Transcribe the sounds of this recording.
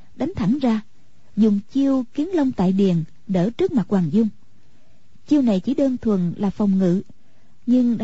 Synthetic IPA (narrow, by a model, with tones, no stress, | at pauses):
ɗa˨˦ŋ̟t̪ʰa˧˩ŋzaː˧ | zʊ˨˩ŋ͡mt͡ɕi˧əwki˨˦ənlə˧wŋ͡mt̪a̰ː˧˨jɗi˨˩ən | ɗəː˧˩t͡ɕɨ˦˥ək̚ma˨˩t̚waː˨˩nzʊ˧ŋ͡m | t͡ɕi˧əwna˨˩jt͡ɕi˧˩ɗəː˧nt̪ʰwə˨˩nlaː˨˩fa˨˩wŋ͡mŋɨ̰˧˨ | ɲɨ˧ŋɗ